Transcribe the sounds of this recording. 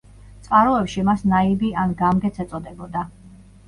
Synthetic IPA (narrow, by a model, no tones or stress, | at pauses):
t̪sʼqʼaɾɔɛpʃimasnaibianɡamɡɛt̪sʰɛt̪sʼɔd̪ɛbɔd̪a